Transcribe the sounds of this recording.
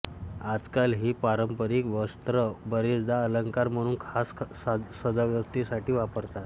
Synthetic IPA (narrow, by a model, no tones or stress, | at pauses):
ad͡zkalɦiːpaɾəmpəɾiːkʋəst̪ɾəbəɾid͡zd̪aələŋkaɾm̤əɽ̃uːnkʰas | səd͡zaʋjəst̪isaʈiːʋapəɾt̪at̪